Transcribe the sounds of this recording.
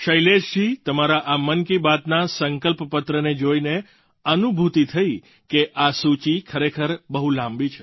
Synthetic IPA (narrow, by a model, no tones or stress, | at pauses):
ʃəjleʃt̪ʰit̪əmaɾaʔamənkibat̪nasəŋkəlppət̪ɾəned͡ʒoine | ənubʱut̪it̪ʰəi | keʔasut͡ʃikʰəɾekʰəɾbəɦulãmbit͡ʃʰe